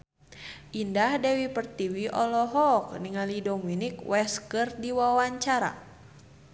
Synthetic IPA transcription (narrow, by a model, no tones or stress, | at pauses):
ʔindahdɛwipərt̪iwiʔɔlɔɦɔkniŋalidominikwɛskɨrdiwawaɲt͡ʃaɾa̰